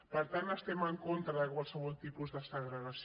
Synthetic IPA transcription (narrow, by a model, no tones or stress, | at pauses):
pəɾt̪anəst̪ɛməŋkont̪ɾəðəkwalˠsəβɔlˠt̪ipuzðəsəɣɾəɣəs